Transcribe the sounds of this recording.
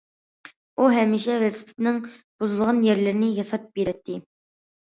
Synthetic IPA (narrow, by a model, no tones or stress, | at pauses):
uɦɛmːiʃɛvɛlsɪ̥pʰɪ̥t̪ɪnɪŋb̥uzɨlˠʁɑnjɛɾlɪɾɪnɪjɑsɑp̚beɾɛt̪ʰːɪ